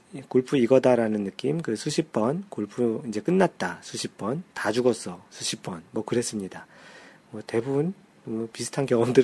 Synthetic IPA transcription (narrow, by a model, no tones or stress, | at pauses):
koɭpʰuiɡʌdaɾanɯnːɯk͈imkɯsʰuɕʰip̚p͈ʌnkoɭpʰuind͡ʑe̞k͈ɯnːat̚t͈asʰuɕʰip̚p͈ʌntad͡ʑuɡʌs͈ʌsʰuɕʰip̚p͈ʌnmwʌkɯɾe̞s͈ɯmɲidamwʌte̞bubun | nʌmupisʰɯ̥tʰankjʌŋʌmdɯ